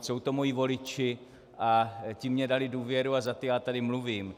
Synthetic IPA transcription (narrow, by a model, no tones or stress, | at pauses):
so̞wt̪o̞mo̞jivo̞lɪt͡ʃɪ | ʔacimːɲɛdalɪduːvjɛɾuazat̪ojaːt̪adɪmluviːm